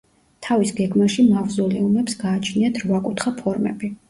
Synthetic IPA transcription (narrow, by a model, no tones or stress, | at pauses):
t̪ʰavisɡɛɡmaʃimavzɔlɛumɛpsɡaːt͡ʃʰniat̪ʰɾvakʼut̪ʰχapʰɔɾmɛ̰bi